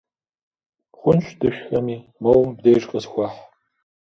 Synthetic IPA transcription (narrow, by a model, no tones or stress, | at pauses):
χʷʊnɕʷd̥ɨʃxɐmiː | mɐwbdejrqʼəsxʷɑħ